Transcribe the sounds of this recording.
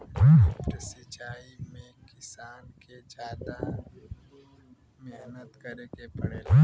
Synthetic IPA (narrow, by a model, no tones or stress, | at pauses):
ɾsɪt͡ʃaːimẽkɪsaːnked͡ʒaːd̪a | meɦnət̪kəɾekepɐɽeː